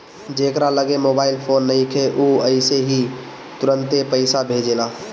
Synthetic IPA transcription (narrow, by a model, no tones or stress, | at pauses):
d͡ʒeːkɾaləɡemoːbaːɪlpʰoːnːəɦĩkʰeʔuːəɪseɦi | t̪ʊɾə̃nt̪epəɪsabʱed͡ʒeːlaː